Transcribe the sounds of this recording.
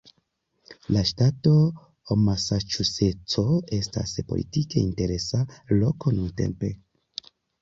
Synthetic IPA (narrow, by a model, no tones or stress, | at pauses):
laʃtato̞ | omasat͡ʃuset͡soe̞sta̰spolʔḭtike̞inte̞ɾe̞salo̞ko̞nunte̞̰mpe̞